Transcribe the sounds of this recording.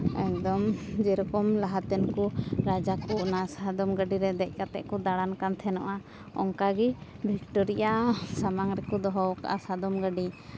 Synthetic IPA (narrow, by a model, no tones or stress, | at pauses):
ɛk̚d̪ɔmd͡ʒɛɾɔkɔmlaɦat̪ɛnkɔɾad͡ʒakuʔnasad̪ɔmɡəɖiɾɛd̪ɛc̚ˀkat̪ɛʔkɔd̪aɽankant̪ʰɛnɔʔa | ɔ̰ŋkaɡi | bʱik̚ʈɔɾijasamaŋɾɛkɔd̪ɔɦɔwka̰ʔasad̪ɔmɡəɖi